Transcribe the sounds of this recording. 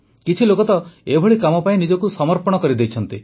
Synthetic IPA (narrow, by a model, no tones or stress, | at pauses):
kit͡ʃʰilokɔt̪ɔebʱɔɭikamɔpaĩnid͡ʒɔkusɔmɔɾpɔɽ̃ɔkɔɾid̪ejt͡ʃʰɔnt̪i